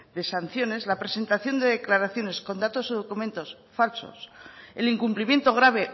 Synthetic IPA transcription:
d̪e̞san̟θjo̞ne̞zlapɾe̞se̞nt̪aθjo̞nd̪e̞ðe̞klaɾaθjo̞ne̞sko̞nd̪at̪o̞soð̞o̞kumẽ̞nt̪o̞s | falso̰se̞liŋkumplimje̞nt̪o̞ɣ̞ɾaβ̞e̞

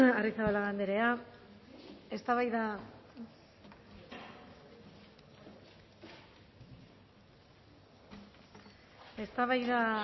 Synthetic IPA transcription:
arisaβalaɣand̪eɾe̞a | e̞st̪aβajða | e̞st̪aβajða

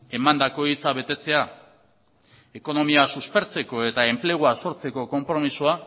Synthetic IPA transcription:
e̞mand̪ako̞it͡saβ̞e̞t̪e̞t͡se̞a | eko̞no̞miasuspe̞ɾt͡se̞ko̞e̞t̪ae̞mple̞ɣ̞uaso̞ɾt͡se̞ko̞ko̞mpɾo̞misua

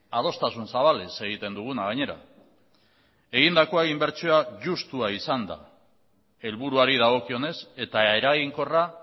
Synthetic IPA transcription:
að̞o̞st̪asunsaβalese̞ɣ̞it̪e̞nd̪uɣ̞unaɣaɲe̞ɾa̰ | e̞ɣ̞ind̪ako̞aimbe̞ɾt͡ʃioaʝust̪uaisand̪a̰ | e̞lβuɾuaɾið̞aɣ̞o̞kio̞ne̞se̞t̪ae̞ɾaɣiŋko̞ra

